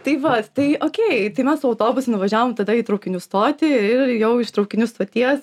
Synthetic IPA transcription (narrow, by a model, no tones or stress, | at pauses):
t̪ɐɪʋɐtt̪ɐɪoːkʲeɪt̪ɐɪmʲɛssʊɐʊt̪oːbʊsʲʊnʊʋɐʒʲæːʋoːmt̪ɐd̪ɐiːt̪ɾɐʊkʲɪnʲʊst̪oːt̪ʲɪɪɾjɛʊɪʃt̪ɾɒʊkʲɪnʲʊst̪oːt̪ʲiɛs